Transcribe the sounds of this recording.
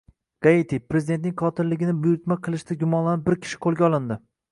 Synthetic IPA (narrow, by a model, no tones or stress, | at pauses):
ɡ̥ɑit̪ʰipɾezid̪et̪̬̚nɪŋqʰɒt̪ʰɪlɪɡʲɪnɪbʊjʊɾt̪maqʰɨlˠɪʃt̪ʰaɡʲʊmɒnlanɪp̚bɪɾkʲʰɪ̥ʃɪ̥qʰolˠɡʲaɒlˠɪnd̪ɪ